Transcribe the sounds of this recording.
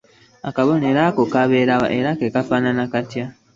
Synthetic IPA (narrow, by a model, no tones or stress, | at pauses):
akaβoneːɾakokaβeːɾawa̰ʔeɾakekafaːnanakatja